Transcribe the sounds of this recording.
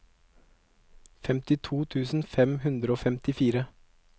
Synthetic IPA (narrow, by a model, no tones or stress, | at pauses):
fɛmt̪ɪt̪ʰuːt̪ʰʉːsn̩fɛmhʉnd̪ɾəoːfɛmt̪ɪfiːɾə